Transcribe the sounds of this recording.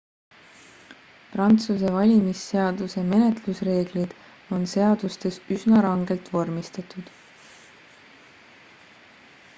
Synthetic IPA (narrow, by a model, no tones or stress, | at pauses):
prɑnt̪suse̞vɑlʲimisːe̞ɑd̪use̞me̞ne̞t̪lusre̞ːɡ̥lid̪̥ | o̞nse̞ɑd̪̥ust̪e̞sysnɑɾɑŋɡ̥e̞lt̪vo̞rmist̪ɑt̪ˑud̪̥